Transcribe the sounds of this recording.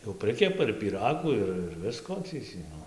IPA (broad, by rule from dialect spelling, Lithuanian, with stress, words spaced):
jɛʊ ˈprɨkʲɛpɐ ɪr pʲiːˈrɑːɡuː ˈɪr ɪr ˈʋʲɪskoː tɐɪ tʲiː ˈnʊ